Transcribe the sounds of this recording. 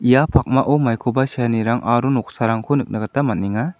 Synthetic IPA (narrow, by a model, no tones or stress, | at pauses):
ijapʰak̚maʔɔmajkʰɔbasijaniɾaŋʔaɾunɔk̚saɾaŋkʰonɯk̚naɡatamat̚niŋa